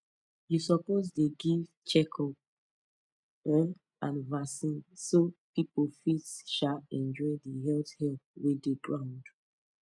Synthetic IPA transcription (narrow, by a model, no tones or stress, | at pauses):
jusɔposdeɡiv | t͡ʃɛkʰl | ɔ̃n | ãnvasĩnsopipofitsʃaɛ̃nd͡ʒɔɪdiɦɛlthɛlp̚wedeɡɹãʊ̃nd